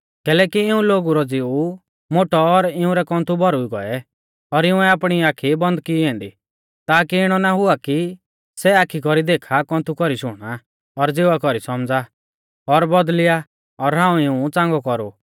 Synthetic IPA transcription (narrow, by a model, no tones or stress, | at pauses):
kɛːlɛːkiɪũloːɡuɾɔd͡zɪu | moʈɔːɾɪũɾɛkɔ̃nt̪ʰubɔɾuiɡɔ̰ɛ | ɔɾɪũɛaːpɽ̃iaːkʰibɔ̃nd̪̚kiɛ̃ːnd̪i | t̪aːkiɪɽ̃ɔnaɦʊaki | sɛaːkʰːikɔɾid̪eːkʰakɔ̃ːnt̪ʰukɔɾiʃʊɽ̃a | ɔɾd͡zeːʋakɔɾisɔmd͡za | ɔɾbɔd̪lɪja | ɔɾɦãːũɪũt͡sãːŋɡɔkɔɾṵ